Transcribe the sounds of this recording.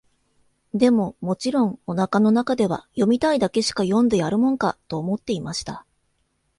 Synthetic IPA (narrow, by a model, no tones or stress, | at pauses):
d̪e̞mo̞mo̞t͡ɕiɾõ̞ŋo̞nakano̞nakad̪e̞βa̰jo̞mʲit̪aid̪ake̞ɕi̥kajõ̞nd̪e̞jaɾɯ̟mõ̞ŋka̰t̪o̞ːmo̞t̪ːe̞imaɕi̥t̪a